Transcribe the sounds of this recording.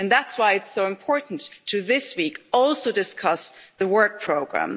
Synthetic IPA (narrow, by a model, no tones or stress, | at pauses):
ɨ̃nðætswaɪɨtsoʊɨ̃mpʰɔɹʔn̩tʰɨðɪswikɔlˠsoʊdɨskʰʌsðəwɜ˞k̚pʰɹ̥oʊɡɹæ̰̃m